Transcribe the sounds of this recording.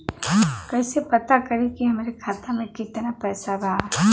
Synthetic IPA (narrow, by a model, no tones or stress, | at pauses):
kɐɦsepɐt̪akɐɾekiɦɐmaːɾekʰaːt̪amẽkɪt̪napɛːsabʱaa